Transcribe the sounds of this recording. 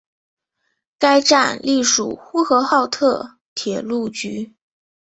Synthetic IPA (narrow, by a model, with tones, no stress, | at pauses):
ka˥ɪʈ͡ʂa˥˧nli˥˩ʂṵ˨˩xu˥xɤ˧˥xɑ˥˧ʊt̪ʰɤ˥˩ | t̪ʰjɛ˨˩lu˥˩t͡ɕy˧˥